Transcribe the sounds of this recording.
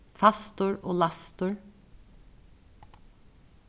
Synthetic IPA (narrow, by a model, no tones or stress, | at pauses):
fɑst̪ʊɹo̰ːlɑst̪ʊɹ